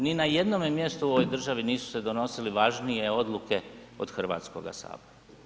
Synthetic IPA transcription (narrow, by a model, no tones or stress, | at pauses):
ninaje̞d̪no̞ːmemje̞st̪uo̞ʋo̞jd̪r̩ʒaʋiniːsu̥se̞d̪o̞no̞siliʋaʒnije̞o̞d̪lˠuke̞o̰d̪xr̩ʋa̰ːt̪sko̞̰ɡa̰sa̰ːboɾa